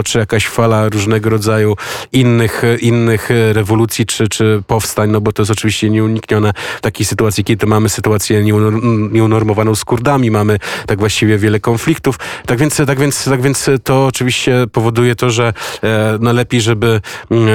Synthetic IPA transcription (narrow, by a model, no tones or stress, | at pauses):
t͡ʂɘjakaɕfalaɾuʐnɛɡɔɾɔd̪zajuinːɘxʔinːɘxɾɛvɔlut̪sʲjit͡ʂɘt͡ʂɘpɔfst̪aɲnɔbɔt̪ɔjɛst̪ɔt͡ʂɘvʲiɕt͡ɕɛɲɛuɲikɲɔnɛft̪akʲejsɘt̪uat̪sʲjikʲɛd̪d̪mamɘsɘt̪uat̪sʲjɛɲɛɲɛunɔɾmɔvanɔ̃w̃skuɾd̪amʲimamɘt̪aɡvwaɕt͡ɕivʲjɛvʲjɛlɛkɔnflʲikt̪uft̪aɡvʲjɛnt̪st̪aɡvʲjɛnt̪st̪aɡvʲjɛnt̪st̪ɔːt͡ʂɘvʲiɕt͡ɕɛpɔvɔd̪ujɛt̪ɔʐɛ | nalɛpʲejʐɛbɘ